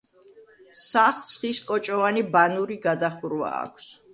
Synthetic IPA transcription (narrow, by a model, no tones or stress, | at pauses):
saχsχiskʼɔt͡ʃʼɔvanibanuɾiɡad̪aχuɾwa̰ːkʷʰs